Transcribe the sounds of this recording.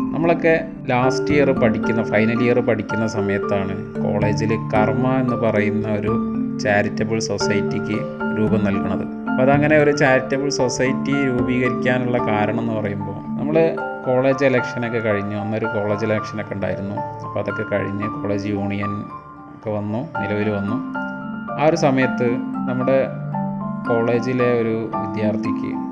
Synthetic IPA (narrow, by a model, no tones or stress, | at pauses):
nɐmːɐɭo̞kːe̞ | laːstijɐrɨpɐʈʰikʲːunːɐfɐjnɐlijɐrɨpɐʈʰikʲːunːɐsɐmɐjɐt̪ːaːɳɨ̰ | ko̞̰ːɭe̞ːd͡ʑilkɐrmɐe̞nːɨpɐrɐjunːɐo̞ɾut͡ɕaːɾitːɐbɨɭso̞sɐjtːikʲːɨ | ɾuːbɐmnɐlkuɳɐðɨ̰ | ɐpoɐðɐŋːɐne̞o̞ɾut͡ɕaːɾitːɐbɨɭso̞sɐjtːiɾuːbiːɣɐɾikʲːaːnuɭːɐkaːɾɐɳɐme̞nːɨpɐrɐjumbo̞ːnɐmːɐɭɨ | ko̞ːɭe̞ːd͡ʑelɐkʂɐnokːekɐɻiɲːuɐnːoɾuko̞ːɭe̞ːd͡ʑelɐkʂɐnokʲːeuɳɖa̰ːjiɾunːuipːoːɐðokːekɐ̰ɻḭɲːɨko̞ːɭe̞ːd͡ʑɨjuːɳijɐn | kːeʋɐnːunilɐʋilʋɐnːu | aːo̞ɾusɐmɐjɐt̪ːɨnɐmːuɽe̞ | ko̞ːɭe̞ːd͡ʑile̞o̞ɾuʋid̪jaːrt̪ʰikʲːɨ̰